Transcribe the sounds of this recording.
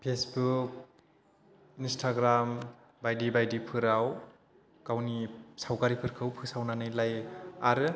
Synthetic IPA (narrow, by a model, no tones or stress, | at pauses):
pʰesbuk̚ | instʰaɡɾam | bajdibajdipʰɯɾaw | kawnisawkaɾipʰɯɾkʰɯwpʰɯsawnanɯjlajaɾɯ